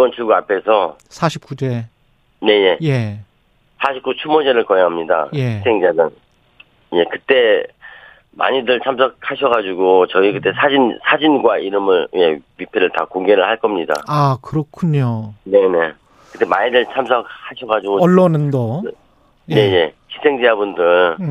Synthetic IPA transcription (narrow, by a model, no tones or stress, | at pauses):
ibʌnt͡ɕɯɭɡuapʰe̞sʰʌ | sʰaɕʰip̚k͈ud͡ʑe | ne̞je̞je̞ | sʰaɕʰip̚k͈ut͡ɕʰumod͡ʑeɾɯɭkʌjeɦamɲida̰je̞isʰeŋd͡ʑanɯn | je̞kɯt͈e̞ | ma̰ɲidɯɭt͡ɕʰams̬ʰʌk̚ʰhaɕʰʌɣad͡ʑuɡot͡ɕʌikɯt͈e̞sʰad͡ʑinsʰad͡ʑinɡwaʔiɾɯmɯɭje̞ɥipʰe̞ɾɯɭta̰koŋɡe̞ɾɯɭhaɭk͈ʌmɲida̰akɯɾʌkʰuɲone̞ne̞ | kɯt͈emaɲidɯɭt͡ɕʰamsʰʌk̚haɕʰʌɡad͡ʑuɡoʌɭːʌnɯndo | je̞ɲe̞ɕʰi̥sʰe̞ŋd͡ʑeabundɯɭ